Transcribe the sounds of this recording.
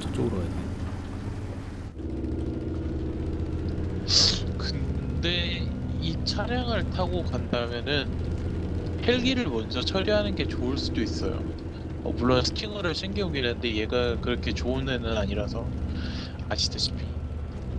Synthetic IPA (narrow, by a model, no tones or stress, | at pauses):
t͡ɕ͈oɾoade | kɯnde̞it͡ɕʰaɾjaŋɯɭtʰaɡokandamjʌnɯn | he̞ɭɡiɾɯɭmʌnd͡ʑʌt͡ɕʰʌɾjiɦanɯnɡe̞t͡ɕoɯɭs͈udois͈ʌ̰jo̰ | ʌ̰muɭːonsʰɯ̥kʰiŋɯɾɯɭɕʰeŋɡioɡenɯnde̞je̞ɡakɯɾʌkʰe̞t͡ɕounenɯnaɲiɾasʰʌ | aɕʰi̥tʰeɕʰi̥pʰi